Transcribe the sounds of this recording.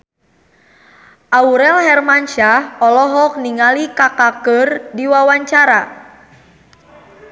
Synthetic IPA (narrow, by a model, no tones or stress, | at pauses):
ʔauɾɛlɦɛrmanʃahɔlɔɦɔk̚niŋalikakakərdiwawaɲt͡ʃaɾa